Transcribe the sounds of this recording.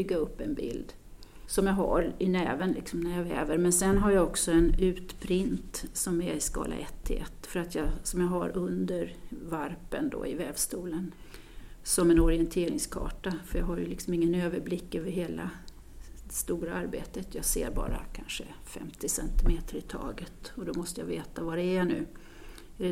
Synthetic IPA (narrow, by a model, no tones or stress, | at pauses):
bʏɡːaɵpːɛnbɪ̰ld̪ | sɔmjɑɦa̰ɾɪnɛːvənlɪksɔmnæɾjavɛːvəɾmɛnsɛnɦaɾjaɔksɔɛnʉ̟ːt̪pʰɾɪnt̪sɔmæɾɪskɑ̰ːlʔa̰ʔɛt̪ʰːɪɛt̪ːfœɾat̪ʰjɑsɔmjaɦaɾɵnd̪əɾvaɾpənd̪o̰ːɪvɛːvst̪uːlən | sɔmɛnɔɾɪɛnt̪ʰeːɾɪŋskʰɑ̰ːʈafœɾjɑɡɦaɾjɵ̰lɪksɔmɪŋːənøːvəɾblɪkːøːvəɾɦeːla̰ | d̪ɛst̪uːɾaaɾbeːt̪ət̪ʰjɑːsḛːɾbɑ̰ːɾa̰kʰanʂəfɛ̰mt̪ɪsɛ̰nt̪ɪmeːt̪ʰəɾɪt̪ʰɑ̰ːɡət̪ɔd̪ɔmɔst̪əja̰veːt̪avadɛæɳʉ̟ː